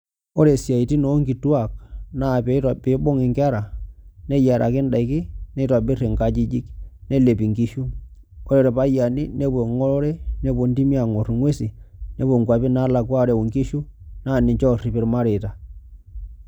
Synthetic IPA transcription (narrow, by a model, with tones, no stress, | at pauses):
o˦ɾe˨sja˨i˨ti˦no˦ŋɡi˨twa˦˨k̚na˦˨pe˨˦i˦ta˨pe˨˦bo˦ŋɪ˨ŋka˦ɾa˨ne˦ja˨ɾʔa̰˨ke˦nda˨i˨kɪ˦ne˦twa˨bi˦re˨ŋka˦d͡ʒi˦d͡ʒi˦kne˦le˨pi˨ŋɡi˦ʃu˦ | o˦ɾe˨˦ɾe˨pa˦ja˨ni˦ne˦pwo˨ŋɔ˦lɔ˦ɾe˦ne˦po˨ndi˦mi˦a˨ŋo˨ɾŋwe˦si˨ne˦pwo˨ŋɡwa˨pi˦na˦la˨kwa˦˨ɾe˨wo˨ŋki˦ʃu˦na˦˨ni˨ɲt͡ʃɔ˦˨ri˨pe˨ɾma˦ɾe˨ta˨